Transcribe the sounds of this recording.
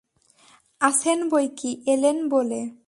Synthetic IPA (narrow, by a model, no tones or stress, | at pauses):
at͡ɕʰenbojkiʔelenbole